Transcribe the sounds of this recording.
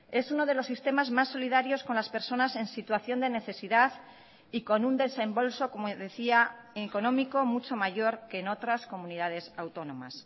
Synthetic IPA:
e̞suno̞ð̞e̞lo̞sːist̪e̞mazmasːo̞lið̞aɾjo̞sko̞nlaspe̞ɾso̞nase̞nsit̪waθjo̞nd̪e̞ne̞θe̞siðað | iko̞nund̪e̞se̞mbo̞lso̞komoðe̞θia | eko̞nõ̞miko̞mut͡ʃo̞maʝo̞ɾke̞ːno̞t̪ɾasko̞mũniðað̞e̞sawt̪o̞nõ̞ma̰s

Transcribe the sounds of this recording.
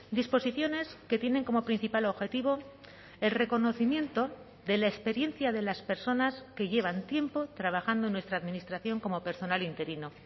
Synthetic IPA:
d̪ispo̞siθjo̞ne̞ske̞t̪je̞ne̞ŋko̞mo̞pɾin̟θipalo̞βxe̞t̪iβ̞o̞ | e̞lre̞ko̞no̞θimjẽ̞nt̪o̞ | ðe̞laespe̞ɾje̞nθjaðe̞laspe̞ɾso̞naske̞ʝe̞β̞ant̪je̞mpo̞t̪ɾaβ̞axand̪onwe̞st̪ɾaːðminist̪ɾaθjo̞ŋko̞mo̞pe̞ɾso̞nalint̪e̞ɾino

